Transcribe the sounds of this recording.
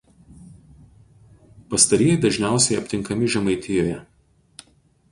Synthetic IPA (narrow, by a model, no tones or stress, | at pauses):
pɐst̪ɐɾʲiːjɛd̪ɐʒʲnʲæˑʊsʲɛɪɐpʲt̪ʲɪŋˑkɐmʲɪʒʲɛmɐɪt̪ʲɪjoːjɛ